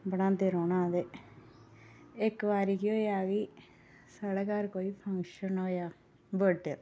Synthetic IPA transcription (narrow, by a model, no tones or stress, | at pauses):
bəɽãːd̪eɾoːnãːd̪eː | ɪkʋaːɾiːkioːjaːɡiː | səɽkaːɾkoːiːpʰə̃ŋkʃənoːjaː | bəɖeɾ